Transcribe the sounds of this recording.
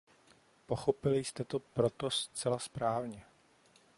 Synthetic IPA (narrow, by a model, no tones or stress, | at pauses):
po̞xo̞pɪlɪjst̪ɛt̪o̞pɾot̪ost͡sɛlaspɾaːvɲɛ